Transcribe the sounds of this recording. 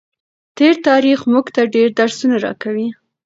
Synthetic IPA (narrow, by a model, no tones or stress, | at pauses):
t̪eɾt̪ɑɾixmuɡt̪aɖeɾd̪aɾsunaɾɑ̰kawi